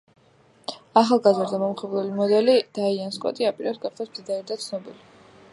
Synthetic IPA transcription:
aχalˠɡazɾd̪amɔmχɛblˠɛlimɔd̪ɛlid̪̥aianskʼɔ̰t̪ʼiapʼiɾɛpsɡaχd̪ɛsmd̪zid̪aɾɛd̪at̪sʰnɔbili

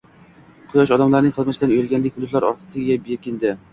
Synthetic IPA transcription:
qʰʊjɒʃ̬ɒd̪amlˠaɾnɪŋqʰɨlˠmɪʃɪd̪anojɪlɡʲanlɪkʲvʊd̪ʊt̪lˠaɾɒ̰ɾqʰə̥t̪ʰɪɡʲabekʲɪnd̪ɪ

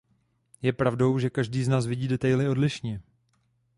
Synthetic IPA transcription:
jɛpɾavdo̞wʒɛkaʒdiːznaːs̬vɪɟiːdɛt̪ajlɪo̞dlɪʃɲɛ

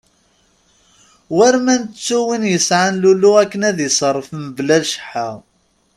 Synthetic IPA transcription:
wæɾmænt͡sːuwinjəsʕanluluækːənæðisˤərˤːfmblælʃə̥ħːaʁ

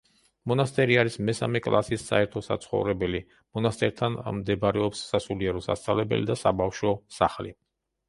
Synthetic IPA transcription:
mɔnast̪ʼɛɾiaɾismɛsa̰mɛkʼlˠa̰sisːa̰ɛɾt̪ʰɔsa̰t̪sʰχɔ̰vɾɛbɛli | mɔnast̪ʼɛɾt̪ʰanmd̪ɛbɾɛɔpsːasuliɛɾɔsa̰st̪sʼa̰lɛbɛ̰lḭd̪asabafʃɔsa̰χlḭ

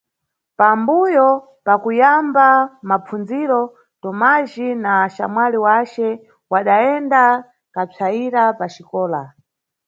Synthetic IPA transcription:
pambujɔ | pakujambamapʰund͡ziɾɔ | tɔmaʒinaʃa̰mwaliwat͡ʃɛ | waɗaɛnda | kap͡ʂʰaiɾapat͡ʃikɔːla̰

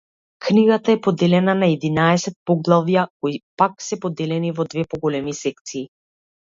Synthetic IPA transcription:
kniɡat̪aɛpɔd̪ɛlɛnanaɛd̪inaɛsɛt̪̚pɔɡlˠavjakoipaksɛpɔd̪ɛlɛnivɔd̪vɛpɔɡɔlɛmisɛk̚t̪siː

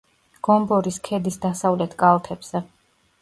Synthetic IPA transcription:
ɡ̥ɔmbɔɾiskʰɛd̪isd̪asavlɛt̪ʰkʼalˠt̪ʰɛbz̥ɛ

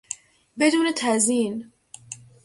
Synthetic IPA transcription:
be̞d̪uːnet̪ʰæziːn

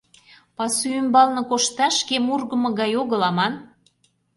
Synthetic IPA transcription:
pɑsyymbɑlnɤ̆koʃt̪ɑʃkemurɣə̆mɤ̆ɣɑjoɣə̆lɑmɑn

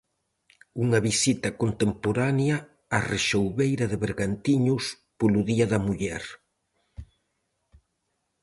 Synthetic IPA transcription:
uŋɐβisit̪ɐkont̪empoɾanjɐː | reʃowβejɾɐðeβeɾɣant̪iɲʊs | poluðiɐðɐmuʎɛɾ

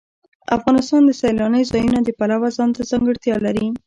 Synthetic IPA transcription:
a̰fɣɑnɪst̪ɑnd̪əsalɑnəjzɑjunad̪əpalawazɑnt̪azɑŋɡəɽt̪jɑlaɾi

